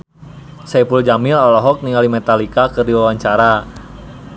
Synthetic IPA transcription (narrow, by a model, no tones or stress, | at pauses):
sɛpuld͡ʒamɪlɔlɔɦɔk̚niŋalimɛt̪alikakɨrdiwawaɲt͡ʃaɾa